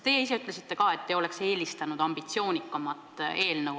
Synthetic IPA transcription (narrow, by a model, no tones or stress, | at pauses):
t̪e̞jeis̬e̞yt̪ːˑle̞sit̪ːe̞kɑːe̞t̪ːe̞o̞lekse̞ːlist̪ɑnud̪̥ɑmb̥it̪sio̞ːnʲikːˑɑmɑt̪ːˑe̞ːlnɤw